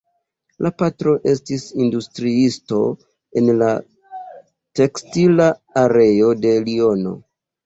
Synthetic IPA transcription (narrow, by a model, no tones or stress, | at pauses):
lapatɾo̞ʔe̞stisindustɾiisto̞̰ | e̞nla | te̞kstilaːɾe̞jo̞de̞lio̞no̞̰